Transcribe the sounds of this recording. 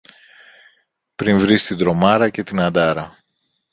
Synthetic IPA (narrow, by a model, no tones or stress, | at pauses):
pɾiɱvɾist̪id̪ɾo̞mɐɾɐce̞t̪inɐnd̪ɐɾɐ